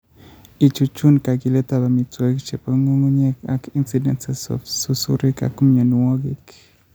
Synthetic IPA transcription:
i˨t͡ʃu˧t͡ʃu˦nka˨ki˧le˦t̪a˦˨ba˨mi˨t͡swe˨˦kt͡ʃe˨pa˦ŋo˦ŋu˦ɲe˦ka̰˦ki˦nsi˨dḛ˦nsesɔ̰fsu˦sṵ˦ɾi˦ka̰˨ku˦mɲo˨nu˨wɔ˦ki˦k

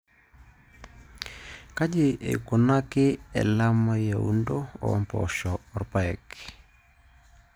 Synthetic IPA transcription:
ka˦d͡ʒɪ˦˨ḛ˨ku˨na˦kɪ˦ɛ̰˨la˦ma˦ja˨ṵ˦ndo˦ɔ̰˨˦mpɔ̰˨ʃɔː˨ɾpa˦ɛ˨k

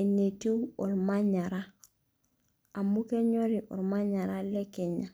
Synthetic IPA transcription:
e˨ne˨tu˦ɔ˨lma˦ɲa˨ɾa˦ | a˨mu˦ke˦ɲɔ˦ɾi˨ʔɔ̰˨ɾma˦ɲa˨ɾa˦lɛ˦kɛ˨ɲa˨

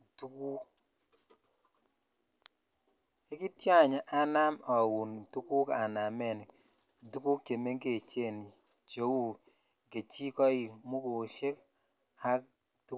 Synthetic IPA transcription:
du˦ku˦ | e˦ki˦tja˦ɲa˨ʔa˦na˦mɔ˨wu˨ntu˦ku˦ka˨na˨mɛ˨n˨ | du˦ku˦kːe˨me˦ŋɡe˨t͡ʃe˦˨ni˨ | t͡ʃo˦wu˦˨ | ɡe˨t͡ʃi˦kɔ˦i˨mu˦ko˨ʃe˦k | a˦k̚ | tu˦

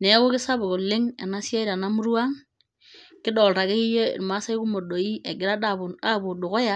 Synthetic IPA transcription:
ne˨˦kʊ˦kɪ˦sa˦bʊ˨ko˨lɪ˦ŋḛ˨na˦sja˦i˦ɾa˨na˦mu˦ɾwa˦ŋ | kɪ˦dɔ˨lta˨ke˦i˦jḛ˦˨ma˦sa˦i˦ku˦mo˨do˨i˦e˨ɡɪ˨ɾa˦da˨ba˦˨bʊ˨dʊ˨ko˦ja˦

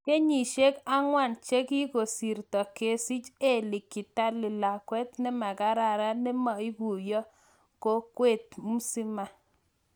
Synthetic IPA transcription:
ke˦ɲi˨ʃe˦ka˦ŋwa˦˨nt͡ʃe˦ki˦ɡo˨si˨ɾt̪ɔ˨ke˨si˦t͡ʃe˦˨lɪ˨kːɪ˨ta˦lɪ˨la˨kwɛ˦t̪nɛ˦ma˨ɡa˦ɾa˦˨ɾa˦nɛ˦ma˨i˦ɡu˨jɔ˦ | ko˦kwe˦˨t̪̚mu˦si˦ma˦

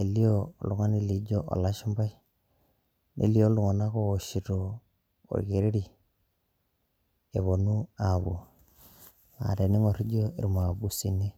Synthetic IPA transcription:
e˨li˦o˦˨lu˨ŋa˦ni˦li˨˦d͡ʒo˦ʔo̰˨la˦ʃu˦mba˦i˦ | nʔḛ˨li˦o˦lu˨ŋa˨na˦koː˦˨ʃi˨to˨ | o̰˨ɾke˨ɾe˦ɾi˨ | e˨βo˨nu˦a˨βu˨ | ŋa̰˨ɾe˨ni˦ŋo˨ɾi˦d͡ʒo˦ḛ˨ɾma˨bu˨si˨ne˦

